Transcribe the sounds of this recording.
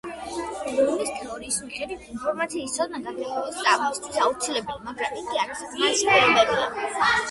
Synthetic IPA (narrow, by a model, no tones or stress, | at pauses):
ɾɔnist̪ʰɛɔɾiːsmiχɛd̪it̪ʰinpʰɔɾmat̪sʰiːst̪sʰɔd̪̚naɡad̪ɛt̪ʰɛlst̪sʼaɾmɔst̪ʰwisaut̪sʰilɛbɛlˠmaɡɾamiɡiaɾisaspʰɛɾɔmɛbia